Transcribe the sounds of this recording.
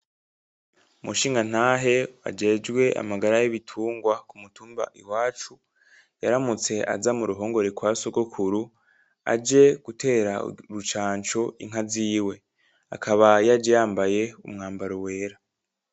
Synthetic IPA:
umuʃiːŋɡan̥haːɦe̞a̰d͡ʒe̞d͡ʒɡwe̞ʔa̰maɡaɾajiβitʰuːŋɡwakumutʰuːmba̰ʔiwaːt͡ʃu | jaɾamut͡se̞a̰zamuɾuɦo̞ːŋɡo̞ɾekwaːsoɡokʰuɾu | a̰d͡ʒe̞ɡ̥utʰe̞ɾaɾut͡ʃaːnt͡ʃoḭŋɦaziːwe̞ | a̰kʰaβajad͡ʒejaːmbaje̞ṵmŋaːmbaɾowe̞ːɾa

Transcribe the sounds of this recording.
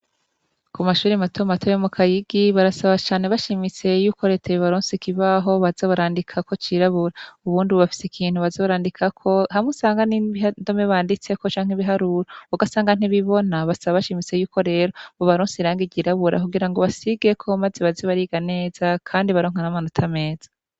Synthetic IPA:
kumaʃuːɾimatʰomatʰojomukʰajiɡiβaɾasaβat͡ʃaːne̞βaʃimise̞juːko̞ɾe̞tʰeβiβaɾoːnsikiβaɦo̞βazaβaɾaːndikʰako̞t͡ʃiɾaβuɾaauβuːndiβoβafi̥sekʰiːn̥huβazaβaɾaːndikʰakʰo̞hamusaːŋɡaniβiɦando̞meβaːndit͡se̞ko̞t͡ʃaːŋiβiɦaɾuɾouɡasaːŋɡan̥iβiβo̞naβasaβaβaʃimit͡se̞juːko̞ɾe̞ːɾoβoβaɾoːnsiɾaːŋɡiɟiɾaβuɾa̰kuɡiɾaŋɡo̞βasiɡe̞kʰomazeβazeβaɾiɡane̞ːz̥akʰaːndiβaɾoːŋ̥hanamanotʰame̞ːz̥ḁ

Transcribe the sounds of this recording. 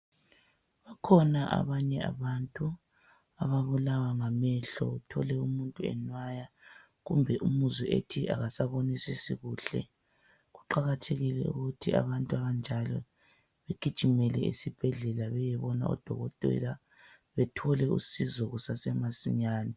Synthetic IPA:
βakʰɔnaʔa̰βaɲɛa̰βantʼu | aβaβulawaŋamɛɬɔ̰utʰɔ̰lɛumuntʼuɛ̰nwaja | ɣumbʱɛʔumuziʔḛtʰiʔa̰ɣasaβonisisiɣuːɬɛ̰ | ɣuǃaɣatʰeɣilɛ̰ṵɣutʰia̰βantʼuaβand͡ʒʱalɔ | βeɡ̥ʱid̥ʒ̥ʱimɛlɛʔḭsib̥ʱɛɮɛlaβɛjɛβɔna̰ɔ̰d̥ʱɔ̰ɣɔtʼɛ̰ɾa | βɛtʰɔlɛṵsizɔɣusasɛmasiɲaːni

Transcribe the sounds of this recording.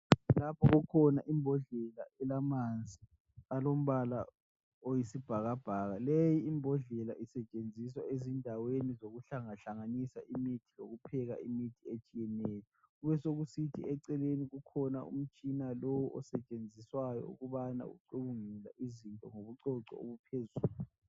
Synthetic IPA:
lapʰɔɣukʰɔna̰ʔimbʱɔɮɛlaɛlamand͡zʱi | alom̩βala̰ | ojisib̥ʱaɣab̥ʱaɣalejiːmbʱɔɮɛlaʔisɛt͡ʃʼend͡zʱiswaezindʱawenizoɣuɬaŋaɬaŋanisa̰ʔimitʰiloɣupʰɛɣa̰imitʰiet͡ʃʼijɛnejɔ | ɣuβɛsoɣusitʰḭɛǀɛleniɣukʰɔna̰ṵm̩t͡ʃʼinalowuʔɔsɛt͡ʃʼend͡zʱiswajɔ̰ṵɣuβana̰ṵǀuβuŋila̰ʔizintʼɔŋoβuǀɔǀɔ̰o̰βupʰezuːluu

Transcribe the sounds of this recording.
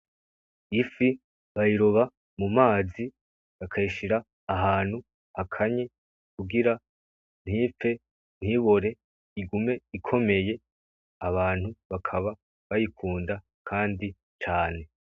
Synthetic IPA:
ifi | βaiɾo̞βa | mumaːzi | βakʰaiʃiɾaː | ɦaːn̥hu | hakʰaɲe | kuɡiɾa | n̥hife̞ | n̥hiβo̞ɾe̞ | iɡume̞ikʰo̞me̞je̞ | aβaːn̥huβakʰaβa | βajikʰuːnda | kʰaːndi | t͡ʃaːne̞

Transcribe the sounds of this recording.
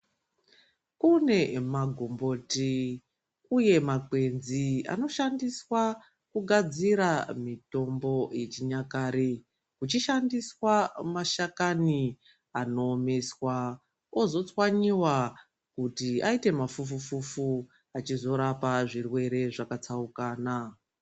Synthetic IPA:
kune̞maɡʱombo̞ːti | uje̞makwe̞nzia̰no̞ʃandiswa | kuɡʱad͡ziɾamito̞mbo̞je̞t͡ʃiɲakaːɾe | kut͡ʃiʃandiswamaʃakani | ano̞ːme̞swa | o̞zo̞t͡swaɲiwa | kutiaite̞mafufufufu | at͡ʃizo̞ɾapaʐirwe̞ɾe̞ʐakat͡saukaːna

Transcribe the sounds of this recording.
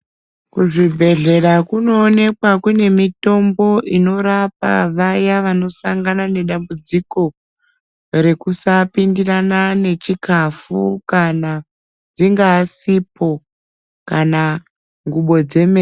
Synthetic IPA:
kuʐibʱe̞ɮe̞ɾakuno̞ːne̞kwakune̞mito̞mbo̞ʔino̞ɾapa̰ʋajaʋano̞saŋɡanane̞ɗambud͡ziko̞ | re̞kusapindiranane̞t͡ʃikafukana | d͡ziŋɡaːsipo̞ | kana | ŋɡuɓo̞d͡ze̞meː

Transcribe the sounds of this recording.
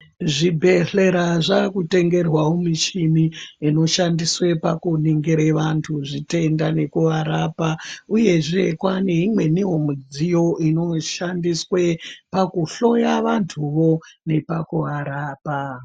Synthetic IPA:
ʐibʱe̞ɬe̞ɾaʐakute̞ŋɡe̞rwawomit͡ʃimiino̞ʃandiswe̞pakuniŋɡeɾeʋantʰuʐite̞ndane̞kuʋaɾapauje̞ʐe̞kwane̞ɦimwe̞niɦomud͡zijo̞ʔino̞ʃandiswepakuɬo̞jaʋantʰuʋo̞ne̞pakuaɾaːpa

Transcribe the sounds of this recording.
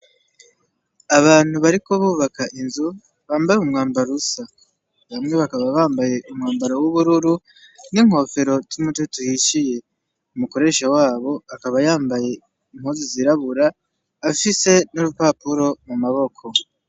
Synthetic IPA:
aβaːn̥huβaɾiko̞βuːβakaʔinzu | βaːmbajumŋaːmbaɾusa | βamŋe̞βakaβaβaːmbaje̞ʔumŋaːmbaɾowuβuɾuɾu | niŋo̞fe̞ɾo̞zumututuhiʃije̞ | umuko̞ɾe̞ʃawaːβo̞akaβajaːmbaje̞ | im̥huːziziɾaβuɾaː | fise̞nuɾupapuɾo̞mumaβo̞kʰo̞

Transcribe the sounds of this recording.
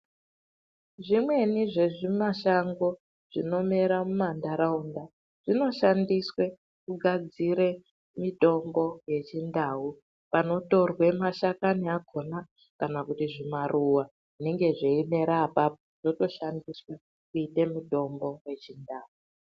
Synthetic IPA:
ʐimwe̞niʐe̞ʐimaʃaŋɡo̞ | ʐ̥ino̞meɾamumandaɾaunda | ʐ̥ino̞ʃandiswe̞ | kuɡʱad͡ziɾe̞ | mito̞mbo̞je̞t͡ʃindau | pano̞to̞rwe̞maʃakaniaɡʱo̞na | kanakutiʐimaruwa | ʐine̞ŋɡe̞ʐeime̞ɾapa | ʐ̥oto̞ʃandiswa | kuite̞mito̞mbo̞je̞t͡ʃindaːu

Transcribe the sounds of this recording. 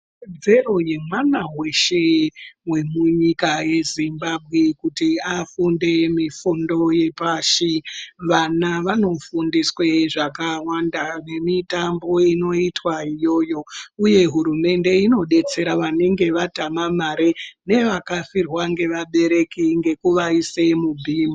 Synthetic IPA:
d͡ze̞ro̞je̞mwanawe̞ʃe̞we̞muɲikaje̞zimbabʱɣe̞kutiafunde̞mifundo̞je̞paʃiʋanaʋano̞fundisweʐakawandane̞mitambo̞ino̞itwaijo̞ːjo̞uje̞ɦuɾume̞nde̞ino̞ɗe̞t͡se̞ɾaʋane̞ŋɡe̞ʋatamamaɾene̞ʋakafirwaŋɡe̞ʋaɓe̞ɾe̞kiŋɡe̞kuʋaise̞mubʱiːmo

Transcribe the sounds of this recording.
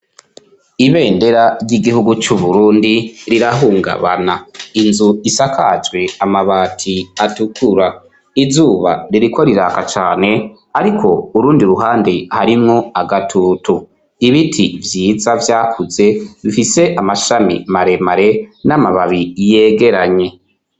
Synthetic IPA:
iβe̞ːnde̞ɾaɾjiɡihuɡut͡ʃuβuɾuːndiɾiɾaɦuːŋɡa̰βa̰nainzuisakʰad͡ʒwe̞amaβaːtʰiatukuɾa | izuːβa̰ɾiɾiko̞ɾiɾaːkat͡ʃaːne̞ | aɾikʰo̞uɾuːndiɾuɦaːndehaɾimŋo̞aɡatʰuːtu | iβitʰivjiːzavjaːkʰuze̞βifise̞ʔamaʃamḭmaɾe̞maɾe̞namaβaβije̞ːɡe̞ɾaɲe̞

